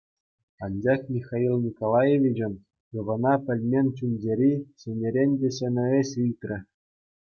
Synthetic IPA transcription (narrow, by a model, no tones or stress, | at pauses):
ɑnʲd͡ʑɑχmʲixɑilˠnʲikolˠɑjeʋʲid͡ʑɘ̆n | jɤ̆ʋɤ̆nɑpʲɘ̆lʲmʲenʲt͡ɕunʲd͡ʑeɾʲiɕɘ̆nʲeɾʲenʲdʲeɕɘ̆nʲɘ̆eɕɯlʲt̪ʲrʲɘ̆